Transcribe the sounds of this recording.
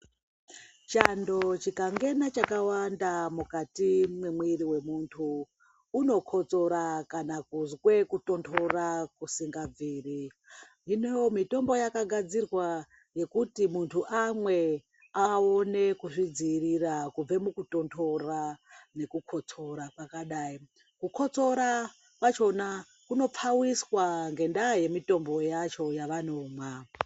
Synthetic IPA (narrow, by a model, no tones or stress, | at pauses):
t͡ʃando̞t͡ʃikaŋɡe̞nat͡ʃakawandamukatimwemwiɾiwe̞muntʰuː | no̞kʰo̞t͡so̞ɾakanakuzwe̞kuto̞ntʰo̞rakusiŋɡab͡viːri | inejomito̞mbo̞jakaɡʱad͡zirwa | je̞kutimuntʰuʔamwe̞ | aone̞kuʐid͡zirirakub͡ve̞mukuto̞ntʰo̞rane̞kukʰo̞t͡so̞ɾapakaɗai | kukʰo̞t͡so̞ɾa | kwat͡ʃo̞na | kuno̞p͡fawiswaŋɡe̞ndaje̞mito̞mbo̞jat͡ʃo̞jaʋanoːma